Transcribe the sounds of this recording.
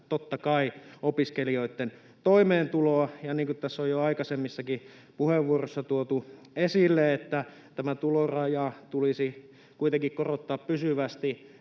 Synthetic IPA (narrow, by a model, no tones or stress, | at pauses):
t̪ot̪ːɑkɑiopiskelioit̪ːen | t̪oimeːnt̪uloɑjɑniːŋkut̪t̪æsːojjoɑikɑsemːisːɑki | puheʋːuorosːɑt̪uot̪u | esilːeet̪ːæ | t̪æmæt̪ulorɑjɑt̪ulisi | kuit̪eŋkikkorot̪ːɑːppysyʋæst̪i